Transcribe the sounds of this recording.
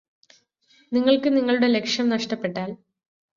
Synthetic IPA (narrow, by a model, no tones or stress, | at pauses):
niŋːɐɭkɨniŋːɐɭuɽe̞le̞kʂjɐmnɐʂʈɐpːe̞ʈːaːl